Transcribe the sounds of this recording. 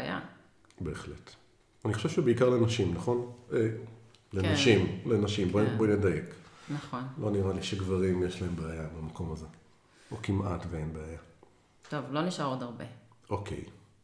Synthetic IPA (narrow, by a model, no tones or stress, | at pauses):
baja̰ | be̞ːχle̞t | aniχoʃevʃebeikaʁlenaʃimnaχo̞ne | lenaʃimlenaʃimbobonedaje̞knɐχonloniʁaliʃeɡvaʁimjeʃlae̞mbeajabamako̞maze̞ | okimatveenbeaja | t̪ovlo̞niʃaʁodaʁbeʔo̞kʰe̞̰j